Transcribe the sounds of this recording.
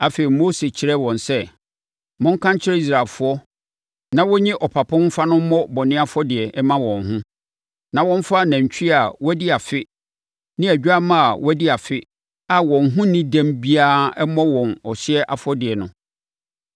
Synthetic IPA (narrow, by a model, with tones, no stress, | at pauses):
a˨fe˨i˨mo˦se˨t͡ɕʰɪ˦ɾɛ˦wɔ̃˨nsɛ˦ | mʊ̃˦ŋ̩˦kʰã˦ɲ˦t͡ɕʰɪ˦ɛ˦i˦s̬ɾa˨lfʊ˦ɔ˦ | nã˨wɔ˦ɲɪ̃˦ʔɔ˨pʰa˨pʰʊ̃˦m˦fa˦nʊ̃˦m̩˦mɔ˦bɔ˨nɪ̃˦a˦fɔ˦dɪ˨ɛ˨ɛ˦mã˦wɔ̃˨nɦʊ̃˦ | nã˨wɔ̃˦ɱ̩˦fa˦næ̃˨ɲ˨t͡ɕᶣa˨wɔ˦dɪ˦a˨fɪ˦ | nɪ̃˦æ˨d͡ʑᶣa˦mã˦a̰˨wɔ˦dɪ˦a˨fɪ˦ | a˨wɔ̃˨nɦʊ̃˦nɪ̃˦dæ̃˦mbi˦aː˦ɛ˦mɔ̃˦wɔ̃˨nɔ˨ɕɪ˦ɛ˦ʔa˨fɔ˦dɪ˨ɛ˨nʊ̃˦